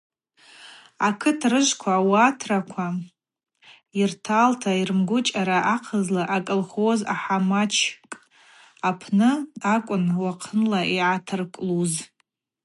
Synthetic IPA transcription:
akʰɨtʰrɨʒʷkʷʰawatʰrakʷʰa | irtʰaːltʰairmɡʷʊt͡ʃʼaɾaʔaqʰəzlaʔakʼɨlχoza̰ħamat͡ʃʰkʼ | apʰnɨakʷʼʊnwaqʰənlaʔiʕatʰɨrkʼluz

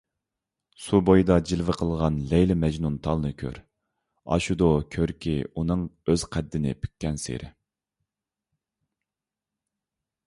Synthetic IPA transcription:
subojd̪ɑd͡ʒilvɪqʰəlˠʁɑnlɛjlɪmɛd͡ʒnunt̪ʰɑlˠnɨkʲʰø̰ɾ | ɑ̰ʃud̪okʲʰøɾkʲʰiunɨŋøz̥qʰɛd̪ːɪnɪ̰pʰy̥kʲːɛnsḛɾɪ

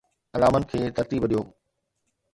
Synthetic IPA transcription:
ɐlaːmənɪ̆kʰeːt̪ɐɾt̪iːbɗijoː

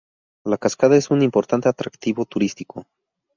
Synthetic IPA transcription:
lakaskaðae̞sunimpo̞ɾt̪ant̪e̞at̪ɾakt̪iβo̞t̪uɾist̪ikʰo̞

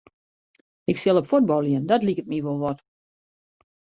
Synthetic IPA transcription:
ɪksɪlˠəpfut̚bɔlˠjiəndɔtlikət̚miʋolˠʋɔt

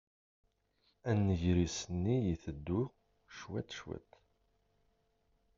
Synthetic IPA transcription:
ænːəʝɾisənːijiθəd̪ːu | ʃwæ̰t̪ʃwæ̰t̪

